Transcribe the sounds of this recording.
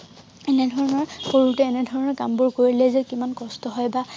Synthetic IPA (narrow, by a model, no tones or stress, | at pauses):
ɛnɛdʱɔɹɔnɔɹxoɹutɛːnɛdʱɔɹɔnɔɹkambʊɹkoɹilɛzɛkimankɔstɔɦɔjba